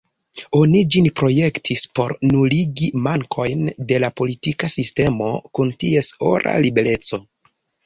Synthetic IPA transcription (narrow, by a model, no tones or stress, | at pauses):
o̞nid͡ʒinpɾo̞je̞ktʰispo̞ɾnuliɡimaŋkʰo̞jnde̞lapo̞litikasiste̞mo̞̰kuntie̞so̞̰ɾa̰libe̞le̞t͡so̞